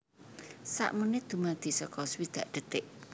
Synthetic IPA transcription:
sa̰ʔmunɪd̪̥ṳmad̪̥i̤sɔkɔswid̪̥ä̤ʔd̪̥ə̤t̪ɪʔ

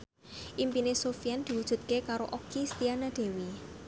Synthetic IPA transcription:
ʔimpinesofiand̪̥i̤wud̥ʒ̥ṳt̪̚kekaɾoʔokist̪ianad̪̥e̤wi

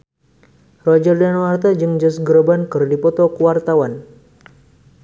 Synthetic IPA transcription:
rɔd͡ʒərdanwart̪ad͡ʒɨŋd͡ʒɔsɡɾbankɨrdipɔt̪ɔkəwart̪awan

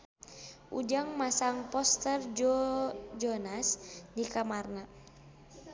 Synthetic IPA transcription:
ʔṵd͡ʒaŋmasaŋpɔst̪ɛrd͡ʒ | d͡ʒɔnasdikamarna

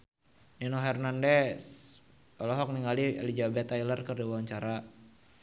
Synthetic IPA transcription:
ninoɦɛrnandɛs | ɔlɔɦɔk̚niŋaliḛlid͡ʒabɛt̪ailərkərdiwawaɲt͡ʃaɾa

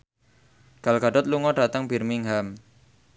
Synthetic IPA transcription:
ɡ̥a̤lkɡaɖɔt̪̚luŋɔɖa̤t̪əŋbi̤rmiŋɦam

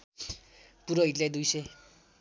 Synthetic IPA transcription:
puɾoɦiʈlajd̪ujse

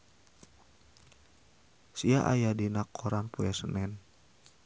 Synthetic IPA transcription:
siaʔa̰jadinakːoɾanpuɛsənɛn

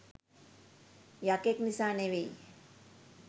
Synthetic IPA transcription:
jakeknisaːneʋej

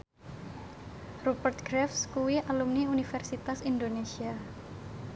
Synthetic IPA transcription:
rubərt̪̚ɡɾɛfskuwiʔalumniunifɛrsit̪asind̪onesia

